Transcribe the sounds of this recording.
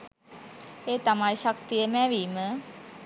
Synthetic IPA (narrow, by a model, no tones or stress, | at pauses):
eːt̪amajʃak̚t̪ijəmɛʋiːmə